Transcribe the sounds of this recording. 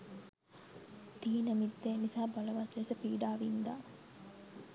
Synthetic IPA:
d̪iːnəmid̪ːeːnisaːbaləʋɐt̪lesəpiːɖaːʋind̪aː

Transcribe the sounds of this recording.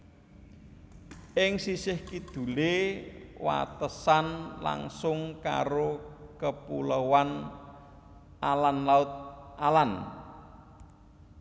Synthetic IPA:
ʔɪŋsisɪhkid̪̥ṳle | wa̰t̪əsanla̰ŋsʊŋka̰ɾokəpuləwan | alanlaʊt̪̚ʔalan

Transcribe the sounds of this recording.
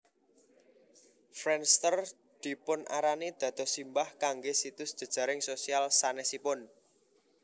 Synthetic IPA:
fɾɛnst̪ər | d̪̥i̤pʊnʔa̰ɾaned̪̥ä̤d̪̥ɔ̤simbahkaŋɡesit̪ʊsd̥ʒ̥ə̤d̥ʒ̥a̤ɾɪŋsosialsanɛsipʊn

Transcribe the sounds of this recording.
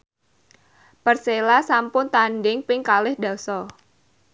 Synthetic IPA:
pərselasampʊnt̪anɖɪŋpɪŋkalɪhda̤sɔ

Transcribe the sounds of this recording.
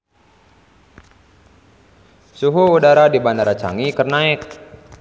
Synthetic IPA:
suɦuudaɾadibanaɾat͡ʃa̰ŋikərnaɪk̚

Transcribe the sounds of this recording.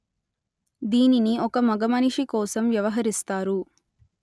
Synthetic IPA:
d̪iːniniʔɔkɐmɐɡɐmɐniʂikɔːsɐmʋjɐʋɐɦɐɾist̪aːɾu

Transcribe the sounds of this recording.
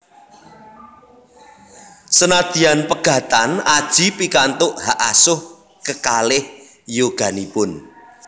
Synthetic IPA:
sənad̪̥i̤anpəɡ̥ä̤t̪anad̥ʒ̥i̤pikant̪ʊʔhaʔasʊh | kəkalɪh | joɡ̥a̤nipʊn

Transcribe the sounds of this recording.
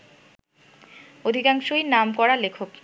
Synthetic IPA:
od̪ʱikaŋʃojnamkɔɾalekʰok

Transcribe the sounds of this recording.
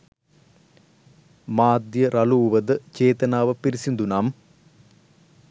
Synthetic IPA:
maːd̪jɐɾʔɐluːʋɐd̪ɨt͡ʃeːt̪ɐnaːʋɐpiɾisind̪unaːm

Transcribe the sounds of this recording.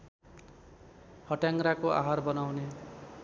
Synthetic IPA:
hʌʈjaŋɾakoʔa̰ɦarbʌnawne

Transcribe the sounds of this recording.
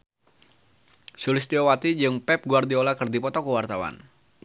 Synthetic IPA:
sulɪst̪iowat̪id͡ʒɨŋpɛp̚ɡuard̪iolakɨrdipɔt̪ɔkəwart̪awa̰n

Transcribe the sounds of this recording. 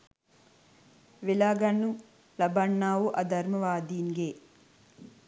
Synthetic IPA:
ʋilaːɡɐnːu | lɐbɐɳːaːʋuʔɐd̪ʱɐɾmɐʋaːd̪iːŋɡeː

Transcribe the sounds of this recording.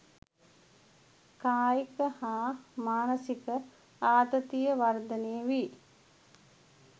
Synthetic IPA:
kaːjikəhaːmaːnəsikə | aːd̪ət̪ijəʋard̪ənejəʋi

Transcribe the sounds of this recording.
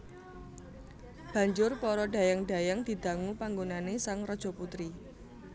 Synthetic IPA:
b̥a̤ɲd͡ʒʊrpɔɾɔɖä̤jaŋɖ̥a̤jaŋd̪̥i̤d̪̥ä̤ŋupaŋɡonanesaŋrɔd̥ʒ̥ɔ̤put̪ɾi

